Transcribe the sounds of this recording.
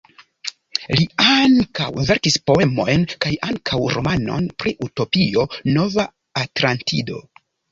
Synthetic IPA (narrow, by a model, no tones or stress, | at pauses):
liaŋka̰wve̞ɾkispo̞e̞mo̞jnkajaŋkʰawɾo̞̰mano̞̰npɾiʔuto̞pio̞no̞vaː | tɾantido̞̰